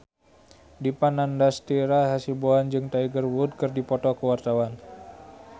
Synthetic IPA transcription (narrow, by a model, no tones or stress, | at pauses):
dipanandast̪iɾaɦasiboand͡ʒɨŋt̪aiɡərwud̚kɨrdipɔt̪ɔkəwart̪awan